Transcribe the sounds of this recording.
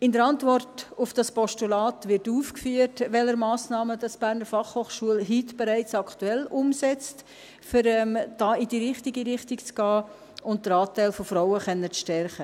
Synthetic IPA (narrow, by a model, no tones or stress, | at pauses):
ɪndəɾɑntvɔrtʊfd̥ɑspɔʃtulɑːtʋɪɾtuːfkfyːəɾtʋɛləɾmɑːsnɑːməd̥ɑsb̥æːɾnəɾfɑχhoːχʃuəlɦitb̥ɛɾæɪt͡sɑkʰtuɛlʊmsɛt͡st | fʏɾɛmd̥ɑːidiːɾɪχtiɡiɾɪχtikt͡sɡ̥ɑː | ʊnt̚d̥əɾɑːtæɪlfofɾɔʊəχɛnːət͡sʃtɛɾχə